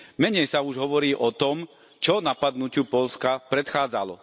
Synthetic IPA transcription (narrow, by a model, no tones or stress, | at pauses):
mɛɲɛjsauʒɦɔʋɔɾiːʔɔt̪ɔm | t͡ʃɔnapad̪nucɪupɔlskapɾɛt̪xaːd͡zalɔ̰